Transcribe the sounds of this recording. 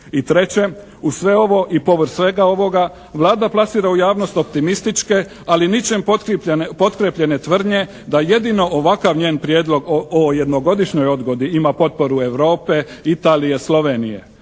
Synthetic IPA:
it̪ɾe̞t͡ɕe̞ | usʋe̞o̞ʋo̞ʔipo̞ʋr̩ɾsʋe̞ɡao̞ʋo̞ɡa | ʋlˠaːd̪aplˠasiːɾaujaːʋno̞st̪o̞pt̪imist̪it͡ʃke̞ | alinit͡ɕe̞mp̪ppo̞t̪kɾepʎe̞net̪ʋr̩d̪ɲe̞ | d̪aje̞d̪ino̞ʔoʋakaʋɲe̞ːnpɾjeːd̪lo̞ɡoje̞d̪no̞ɡo̞d̪iʃɲo̞jo̞d̪ɡo̞d̪iimapo̞t̪̚po̞ɾue̞ʋɾo̞ːpe̞ | it̪aːlije̞slˠo̞ʋe̞nije̞̰

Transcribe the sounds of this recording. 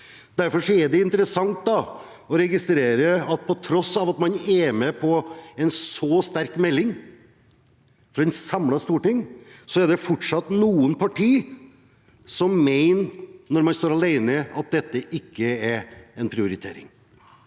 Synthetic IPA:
d̪̥æɾfɔʂɔɛɖ̪ɛɪnt̪əɾəsɑŋt̪̚d̪ɑ | ɔɾɛɡɪst̪ɾeːɾəɑt̪̚pʰɔt̪ʰɾɔsːɑːʋɑt̪mɑnɛmɛpʰɔɛnsɔst̪æɾkmɛlːɪŋ | fɾɑɛnsɑmlɑst̪uːʈɪŋsɔæɖ̪ɛfɔʈʂɑt̪ːnuːənpʰɑʈʰiː | sɔmːeɪnnɔɾmɑnst̪oːɾɑlæɪnəɑt̪̚d̪ɛt̪ːəʔɪkːəɛɾɛnpʰɾɪʊɾɪt̪ʰḛːɾɪ̰ŋ

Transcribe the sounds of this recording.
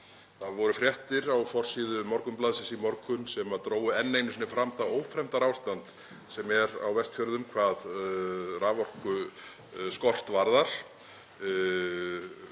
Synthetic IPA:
θaðvɔɾʏfɾjɛht̪ɪɾawfɔr̥siːðʏmɔɾkʏmplaːðsɛsimɔɾkʏnsɛmat̪ɾoːwʏɛnːejmnɪsnɪfɾamθaoːwfɾɛm̥t̪aɾawst̪ant̪ | sɛmɛɾa̰wvɛst̪fjœɾðʏmkʰvaːð | raːvɔr̥kʏ | skɔr̥t̪vaɾðaɾ̥

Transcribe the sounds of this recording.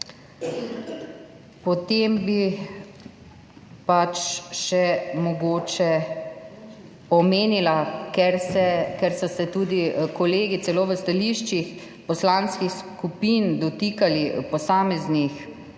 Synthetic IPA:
pɔt̪eːmbi | pat͡ʃʃɛmɔɡoːt͡ʃɛ | ɔmeːnilakɛɾsɛkɛɾsɔsɛt̪uːd̪ikɔleːɡit̪sɛloːʋəst̪aliʃt͡ʃix | pɔslaːnskixskupiːnd̪ɔt̪ikalipɔsaːmɛznix

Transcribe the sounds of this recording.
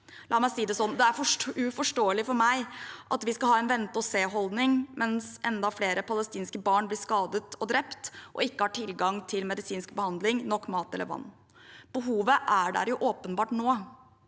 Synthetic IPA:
lʔɑːmæɪsiːd̪ɛsɔnːd̪ɛæɾfɔʉfɔʂʈoːəlɪfɔɾmæɪʔɑt̪ʋɪskɑhɑːɛnʋɛnt̪əɔseːɦɔld̪nɪŋmʔɛnsʔɛnd̪ɑfleːɾəpʰɑləst̪iːnskəbɑːɳblɪːskɑːd̪ət̪ʰɔd̪ɾɛpt̪ʔɔ̰ɪkːəhɑːʈʰɪlɡɑŋt̪ʰɪlmɛd̪ɪsiːnskbəhɑnd̪lɪŋnɔkːmɑːt̪ɛləɾʋɑ̰nː | b̥əɦuːʋəʔæɖæ̰ːɾjʊʔoːpənbɑːʈnoː

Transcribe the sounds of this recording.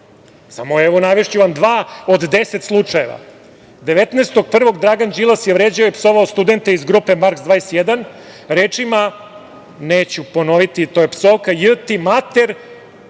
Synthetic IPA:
samoeʋonaʋeʂt͡ɕuʋamd̪ʋaːod̪d̪eset̪slˠut͡ʂaje̞ʋa̰ | d̪eʋet̪neːst̪o̞ɡ̚pr̩ʋo̞ɡd̪ɾaɡand͡ʒilˠasjevɾeːd͡ʑaojpsoʋaost̪ud̪e̞nt̪eizɡɾupe̞maɾkzd̪vaːesjed̪an | ɾeːt͡ʂima | neːt͡ɕupo̞no̞ʋit̪it̪oːjepsoːkajɨt̪imat̪eɾ

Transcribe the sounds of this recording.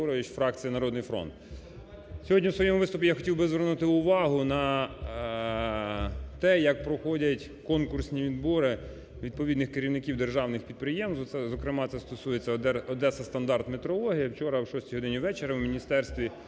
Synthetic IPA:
ɔɾɔjʊt͡ʃfɾɑk̚t͡sʲijɐnɐɾɔd̪nɪjfɾɔ̰nt̪ | sʲɔɦɔdʲiwsʋɔjɛmʊʋɪst̪ʊpʲijaxɔ̥tʲiwbɪzʋernut̪ɪʊʋɑɦʊnɐ | t̪ɛjɐk̚pɾɔxɔdʲɐtʲ | kɔnkʊrsʲnʲiʋʲid̪bɔɾɪ | ʋʲid̪̚pɔʋʲid̪nɪxkeɾʲiwnɪkʲiwd̪erʒɑwnɪxpʲid̪̚pɾɪjɛmst̪ɛzɔkɾɪmɑt̪ɛst̪ɔsujet͡sʲːɐɛɔd̪ɛsɐst̪ɐnd̪ɑrt̪met̪ɾɔlˠɔɦʲijɐwt͡ʃɔɾɐwʃɔsʲtʲijɦɔd̪ɪnʲiʋɛt͡ʃeɾɐwmʲinʲist̪ɛrst̪ʋʲi

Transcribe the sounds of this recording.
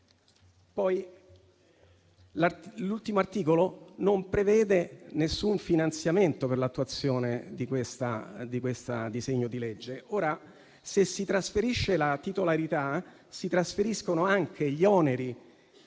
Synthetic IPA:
pɔj | lalult̪imoart̪iːkolonompɾevɛːd̪enesːuɱfinant̪sjament̪operlat̪ːuat̪sːjoːned̪ikwest̪a̰d̪ikwest̪a̰d̪izeɲːod̪iled͡ʒːeoːɾa | sesːit̪ɾasfeɾiʃːelat̪it̪olaɾit̪a | sit̪ɾasfeɾiskonoaŋk̟ʰeʎiɔːneɾi

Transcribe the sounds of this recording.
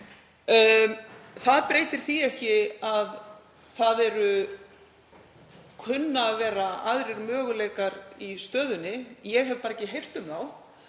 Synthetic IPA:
θaðpɾeːjt̪ɪɾ̥θiɛhcɪað | θaðɛɾʏ | kʰʏnːavɛːɾaʔaðɾɪɾmœːɣʏleːjkaɾist̪œːðʏnːɪjɛɣɦɛvpaɾɛcɪɦejr̥t̪ʏmθaw

